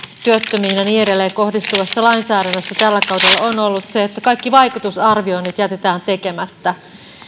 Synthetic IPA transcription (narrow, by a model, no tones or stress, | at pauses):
t̪yøt̪ːømiːnɑnieɾelːejko̞hdist̪uʋɑsːɑlɑinsæːdænːøsːæt̪ælːækɑwdelːɑono̞lːut̪seet̪ːækɑikːiʋɑikut̪usɑrʋio̞init̪jæt̪e̞t̪æːnt̪e̞ke̞mæt̪ːæ